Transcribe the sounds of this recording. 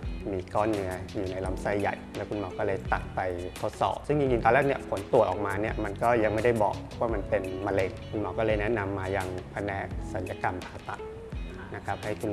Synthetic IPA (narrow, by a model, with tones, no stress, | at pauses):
miː˧kɔː˥˩nːɯ˦˥ɐjuː˨˩na˧˥jla˦˥msa˧˩jːa̰˨˩jlɛː˦˥wkʰu˧nmɔː˨˦wkɔː˥˩lɤː˧jt̪a˨˩t̪̚pa˧jt̪ʰo˦˥t̪̚sɔ̰ː˨˩p̚sɯ˥˩ŋt͡ɕi˧ŋt͡ɕi˧ŋt̪ɔː˧lɛː˥˩k̚ni˥˩ɐpʰo˩˦nt̪u˨˩ət̪ʔɔː˨˩k̚maː˧ni˥˩ɐma˧nkɔː˥˩ja˧ŋma˥˩jda˥˩jbɔ̰ː˨˩k̚pʰɔ˦˥waː˥˩ma˧npe˧nma˧le˧ŋkʰu˧nmɔː˨˦kɔː˥˩lɤː˧jnɛ˦˥na˧mːaː˧ja˧ŋpʰa˧nɛ˦˥ʔsa˨˩˦nja˧ka˧mpʰaː˧t̪a̰˨˩t̪̚ | na˦˥kʰa˦˥p̚ha˥˩jkʰu˧n